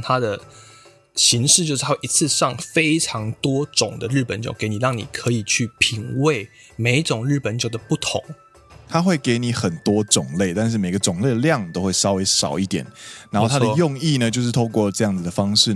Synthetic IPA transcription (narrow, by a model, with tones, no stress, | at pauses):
t̪ʰa˥d̪ə˨ | ɕi˧˥ŋʂɻ̩˥˧t͡ɕjʂ̩ʰ˥˧a˥˩ʔi˧˥t͡sʰɹ̩˥˧ʂɑ˥˩ŋfe˥ɪʈ͡ʂʰɑ˧˥ŋt̪wɔ˥ʈ͡ʂʊ˨˩ŋd̪ə˦ɻ̩˥˩pə˨˦nt͡ɕjo̰˨˩˦ke˧˦ɪni˨˩ɻɑ˥˩ŋnḭ˨˩kʰɤ˧˥i˨˩t͡ɕʰy˥˩pʰi˨˩˦ŋwe˥˩ɪ | me˨˩ɪʈ͡ʂʊ˨˩ŋɻɻ̩˥˩pə˨˦nt͡ɕjo˨˩ʊd̪ə˩pu˥˩t̪ʰʊ̰˨˧˦ŋ | t̪ʰa˥xwe˥˩ɪke˧˥ɪni˨˦xə˨˩nt̪wɔ˥ʈ͡ʂʊ˨˩ŋle˥˩ɪt̪a˥˧nʂ̬ɻ̩˥˩me˨˩ɪɡə˦ʈ͡ʂʊ˨˩ŋle˥˩ɪə˩˧ljɑ˥˨ŋt̪o˥ʊxwe˥˩ɪʂɑ˥ʊwe˧˥ɪʂɑ˨˩ʊi˥˩t̪jɛ̰˨˩˦nna˨˧nxo˥˨t̪ʰa˥d̪ə˧jʊ˥˧ŋi˥˨nə˨t͡ɕjo˥˧ʊʂɻ̩˥˩t̪ʰo˥˧ʊkwɔ˥˨ʈ͡ʂɤ˥˧jɑ˥˩ŋd͡z̩˨˩d̪ə˩fɑ˥ŋʂɻ̩˥˨